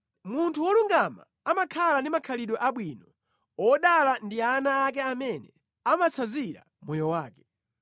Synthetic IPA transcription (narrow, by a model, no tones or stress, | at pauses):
muntʰuwɔluŋɡama̰ | amakʰalandimakʰaliɗɔʔaɓwinɔ | ɔɗalandianaːk̬ɛamɛnɛ | amat͡sʰaziɾa̰ | mɔjɔwaːkɛ̥